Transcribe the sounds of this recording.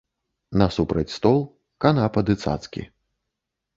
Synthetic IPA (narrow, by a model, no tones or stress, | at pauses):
nɐsupɾɐt͡sʲst̪ɔlˠ | kanapɐd̪ɨt̪sa̰t̪skʲḭ